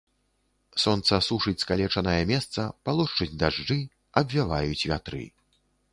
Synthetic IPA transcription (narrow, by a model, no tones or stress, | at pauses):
sɔnt̪sɐsuʂɨt͡sʲskalʲɛt͡ʂɐnɐjɛmʲɛst̪sɐpalˠɔʂt͡ʂɨd͡zʲd̪aʐd͡ʐɨ | ɐbvʲavajut͡sʲvʲat̪ɾɨ̰